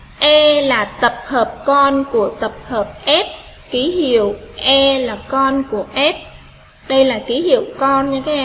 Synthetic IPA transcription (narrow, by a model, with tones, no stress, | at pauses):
ʔɛ˧laː˨˩t̪ə˨˩p̚həː˨˩p̚kɔ˧nku˧˩ət̪ə˨˩p̚həː˨˩p̚ʔɛ˦˥p̚ | ki˨˦hḭ˧˨əwʔɛ˧laː˨˩kɔ˧nku˧˩əʔɛ˦˥p̚ | ɗə˧jlaː˨˩ki˨˦hḭ˧˨əwkɔ˧nɲa˧kaː˨˦ʔɛ˧